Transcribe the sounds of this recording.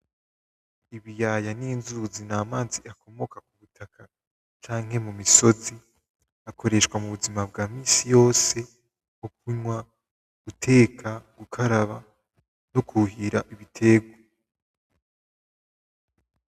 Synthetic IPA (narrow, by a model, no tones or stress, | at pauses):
iβijajaninzuzinaːmaːziʔako̞mo̞kak̚uβutʰaka | t͡ʃaːŋhe̞mumiso̞zi | ako̞ɾe̞ʃkwamuβuzimabɡaːmiːsijo̞ːse̞ | muk̚uɲwa | ɡ̥utʰe̞ːkʰaɡ̥ukʰaɾaβa | nokʰuɦiɾaʔiβitʰe̞ːɡwa